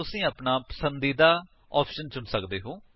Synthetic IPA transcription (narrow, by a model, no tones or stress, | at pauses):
ʊsĩːəːpnaːpə̥sənd̪iːd̪aː | ɔːpʃənt͡ʃʊnsəkd̪eːɦõː